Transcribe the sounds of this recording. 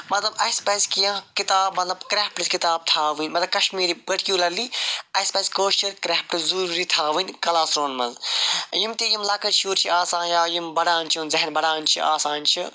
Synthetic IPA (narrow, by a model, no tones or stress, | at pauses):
mɐt̪lɐbɐjspɐzʲkijãːkit̪aːbmɐt̪lɐbkɾeːpʈɨzkit̪aːb̚t̪ʰaːʋɨnʲmɐt̪lɐbkɐʃmiːɾibɐʈkjuːlɐliɐspɐzʲkoːʃt͡ʃɐɾkɾaːpʈɨzuɾuːɾit̪ʰaːʋɨnʲkɐlaːsɾoːnmɐnzjimt̪ijimlɐkɐɾt͡ʃʰuːɾt͡ʃʰiaːsãːnjaːjimbɐɽaːnt͡ʃʰinzɐɦɐnbɐɽaːnʲt͡ʃʰḭʔaːsaːnʲt͡ʃʰi